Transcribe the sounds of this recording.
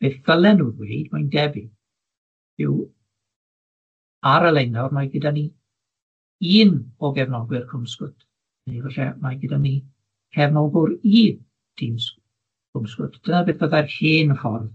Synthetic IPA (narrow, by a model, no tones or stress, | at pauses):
b̥eːθːəlˠɛnuðwḛjdmajndɛbɪ | ɪw | aɾəlˠejnɔrmaɡədani | iːnɔɡɛvnɔɡwɨrkʰʊmskʊtʰ | nivɛɬɛmaɡədani | kʰɛvnɔɡʊɾiːn | d̥ims | kʰʊmskʊ̰tʰd̥ənabeːðb̥əðarhiːnfɔrð